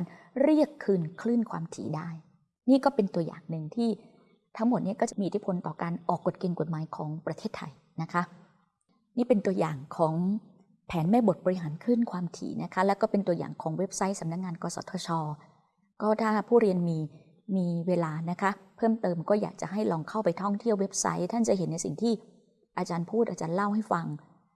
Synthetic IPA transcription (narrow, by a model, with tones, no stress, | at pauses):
kaː˧n | ɾi˥˩əkʰːɯː˥˩nkʰlɯː˥˩nkʰwa̰ː˧mt̪ʰḭː˩˦daː˥˩j | niː˥˩kɔː˥˩pe˧nt̪u˧əja̰ː˨˩ŋnɯ˨˧ŋt̪ʰiː˥˩ | t̪ʰa˦˥ŋmo˨˩t̪̚ni˥˩ɐkɔː˥˩t͡ɕa˨˩miː˧ʔt̪ʰi˥pʰo˧nt̪ɔː˨˩kaː˧nʔɔː˨˩kːo˨˩t̪̚ke˧ŋko˨˩t̪̚maː˨˦jkʰɔː˩˦ŋpɾa˧t̪ʰeː˥˩t̪ʰːa̰˧j | na˦˥kʰa˦˥ | niː˥˩pe˧nt̪u˧əja̰ː˨˩ŋkʰɔː˩˦ŋ | pʰɛː˩˦nmɛː˥˩bo˨˩t̪̚bɔː˧ɾi˦˥ɦaː˩˦nkʰɯ˥˩nkʰwaː˧mt̪ʰḭː˨˦nʔa˦˥kʰa˦˥lɛː˦˥wkɔː˥˩pe˧nt̪u˧ɐja̰ː˨˩ŋkʰɔː˩˦ŋwe˦˥p̚sa˦˥jsa˩˦mna˦˥k̚ŋaː˧nkɔː˧sɔ̰˩˦t̪ʰɔː˧˦t͡ɕʰɔː˧ | kɔː˥˩t̪ʰaː˥˩pʰuː˥˩ɾi˧ənmiː˧ | miː˧weː˧laː˧na˦˥kʰa˦˥pʰɤː˥˩mt̪ɤː˧mkɔː˥˩ja̰ː˨˩k̚t͡ɕa̰˨˩ɦa˥˩jlɔː˧ŋkʰa˥˩wpa˧jt̪ʰɔ˥˩ŋt̪ʰi˥˩əwe˦˥p̚sa̰˦˥jt̪ʰa˥˩nt͡ɕa˨˩ɦe˩˦nːa˧jsi˨˩ŋt̪ʰiː˥˩ | ʔaː˧t͡ɕaː˧npʰuː˥˩t̪̚ʔaː˧t͡ɕaː˧nla˥˩wha˥˩jfa˧ŋ